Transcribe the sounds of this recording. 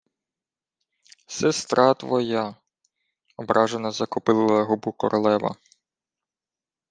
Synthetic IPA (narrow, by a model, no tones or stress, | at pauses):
sɛst̪ɾʔɑt̪ʋɔjɑ | ɔbɾɑʒenɐzɐkʊpɪlˠɪlˠɐɦʊbukɔɾʔɔlˠɛʋɐ̰